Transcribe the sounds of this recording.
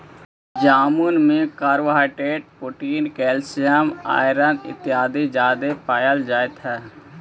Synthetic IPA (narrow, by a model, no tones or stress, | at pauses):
d͡ʒaːmunmikaːɾʋaːɪʈeːʈ̚puʈiːnkeːlsijama̰ːɪɾə̃nd̪ɪ̰t̪ːɪjaːd̪id͡ʒaːd̪epaːjəld͡ʒaːet̪ʰɛː